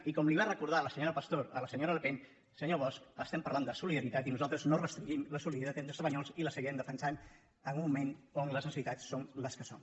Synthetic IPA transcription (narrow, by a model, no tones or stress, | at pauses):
ikɔmliβarəkuɾðaləsəɲoɾəpəst̪oɾələsəɲoɾələpen | səɲoβ̞ɔskəst̪ɛmpəɾland̪əsuliðəɾit̪at̪inuzalˠt̪ɾəznorəst̪ɾiɲʒimləsuliðit̪at̪ɛnsəsβəɲɔlˠziləsəɣiɾɛmd̪əfənsan | əmumːumenonləzənsit̪asːonləskəso̰m